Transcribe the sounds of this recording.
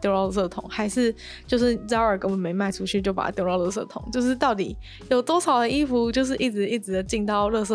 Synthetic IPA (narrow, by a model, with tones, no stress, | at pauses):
t̪jʊɻɑ˥˧ʊ˥˧˩sɤ˥˩t̪ʰʊ̰˨˦ŋxa˧˥ɪʂɻ̩˥˧ | t͡ɕjo˥˧ʊʂɻ̩˥˩t͡sɑ˥ʊə˞˨˩kə˥nwɔ˨˩me˧˥ɪma˥˩ɪʈ͡ʂʰu˥ɕy˥˩t͡ɕjo˥˩ʊpa̰˨˩t̪jʊɻɑ˥˧ʊlɤ˥˧s̬ɤ̰˥˩t̪ʰʊ̰˨˦ŋt͡ɕjo˥˧ʊʂ̬ɻ̩˥˧t̪ɑ˥˩ʊt̪i˨˩˦ | jo˨˩ʊt̪wɔ˥ʂʰɑ˨˩ʊd̪ə˦i˥fu˧˥t͡ɕjo˥˧ʊʂɻ̩˥˧ʔi˥˩ʈ͡ʂɻ̩˨˩i˥˩ʈ͡ʂɻ̩˨˩d̪ə˩t͡ɕi˥˧ŋt̪ɑ˥˧ʊlɤ˥˧s̬ɤ˥˧˩